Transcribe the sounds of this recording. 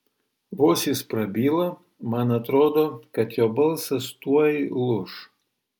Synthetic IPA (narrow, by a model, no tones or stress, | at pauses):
ʋoːsʲispɾɐbʲiːlˠɐ | mɐnɐt̪ɾoːd̪oːkɐt̪joːbɐlˠsɐst̪uɔjɪlˠʊʃ